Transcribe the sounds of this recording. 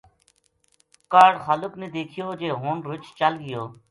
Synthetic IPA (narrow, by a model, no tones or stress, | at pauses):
kaːɾɖxaːlʊkneːd̪eːkʰɪjoːd͡ʒeːɦoːnɾʊt͡ʃt͡ʃəlɡɪjoː